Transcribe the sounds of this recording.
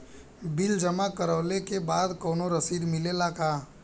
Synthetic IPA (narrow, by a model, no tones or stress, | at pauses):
bild͡ʒəmakəɾəʊlekebad̪kɔːnoɾəsid̪milelaka